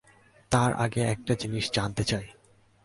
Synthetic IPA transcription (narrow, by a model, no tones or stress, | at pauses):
t̪aɾʔa̰ɡeɛk̚ʈad͡ʑiniʃd͡ʑant̪et͡ɕaj